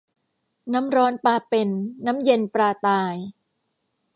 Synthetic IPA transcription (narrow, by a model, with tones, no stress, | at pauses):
na˦˥mɾɔː˦˥npaː˧pe˧˩nːa˦˥mje˧npɾaː˧t̪aː˧j